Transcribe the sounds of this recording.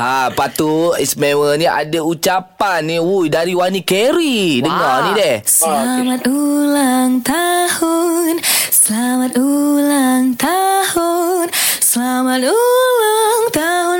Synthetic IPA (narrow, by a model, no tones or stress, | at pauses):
apat̪uismewəniʔa̰daut͡ʃapanːiwujdaɾiwanikɛɾidəŋɔnidɛhsəamat̪ulaŋt̪ahunsəlamat̪ulaŋt̪ahunsəlamat̪̚ulaŋt̪aɦun